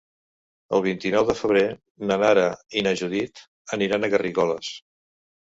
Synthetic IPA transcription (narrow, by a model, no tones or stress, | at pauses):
ə̰lˠβ̞int̪inɔwðəfəβ̞ɾe | nənaɾəinəʒuðit̪ | əniɾanəɣəriɣɔləs